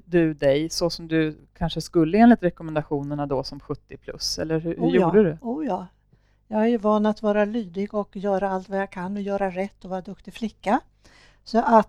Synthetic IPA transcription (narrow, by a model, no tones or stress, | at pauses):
d̪ɵd̪ɛjsɔsɔmd̪ɵ | kʰanʂəskɵlːəeːnlɪt̪ɾɛkɔmɛnd̪aɧuːnəɳad̪ɔsɔmɧɵt̪ːɪpʰlɵ̰sɛ̰lːəɾhʉhʉjuːɖəd̪ɵuːjɑː | jɑːɡhaæɾjɵvɑːnat̪vɑːɾalyːd̪ɪɡɔkjœːɾaalt̪vajakʰanːɔjœːɾaɾɛt̪ːɔvɑːɾad̪ɵkt̪ɪflɪkːa | sɔʔat̪